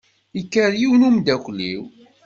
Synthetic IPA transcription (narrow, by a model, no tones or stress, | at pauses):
ikːəɾjiwnumd̪ækʷlːḭw